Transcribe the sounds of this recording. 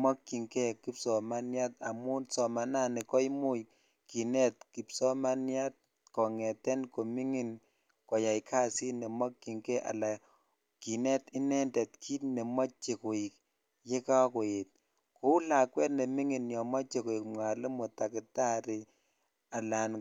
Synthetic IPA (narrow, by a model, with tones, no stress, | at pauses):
mɔ˦kːi˨ŋkɛ˦ki˦psɔ˨ma˦nja˦ta˨mu˦nsɔ˨ma˨na˦nɪ˨kɔ˦jmu˦k | ki˨nɛ˦t̚ki˨psɔ˦ma˦nja˦t̚ | kɔ˨ŋɛ˨tɛ˦nko˨mi˦ŋi˨n | kɔ˨ja˨jkʰa˦si˦nɛ˨mɔ˦kːi˨ŋkɛ˦ʔa̰˨la˨ | ki˨nɛ˦tɪ˦nɛ˦ndɛ˨tkʰi˦tne˨ma˦t͡ʃe˨ko˨ji˨k̚ | je˦ka˦ko˨je˨t̚ | ko˦u˦la˨kwɛ˦tne˨mi˦ŋi˨njɔ˨mɔ˦t͡ʃe˨ko˨i˨k̚mwa˨le˦mo˨ta˨kɪ˨ta˦ɾi˨ | a˨la˨n